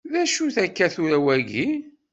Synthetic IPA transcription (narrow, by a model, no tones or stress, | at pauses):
ðæʃuθækːæθuɾæwæʝi